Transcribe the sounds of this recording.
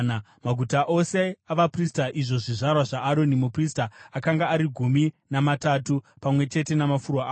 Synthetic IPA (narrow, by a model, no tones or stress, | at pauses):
a | maɡʱutaʔo̞se̞aʋapristaʔiʐo̞ʐiʐarwaʐaʔːɾo̞nimupristaːkaŋɡaːɾiɡʱumi | namatatu | pamwe̞t͡ʃe̞te̞namafurwaː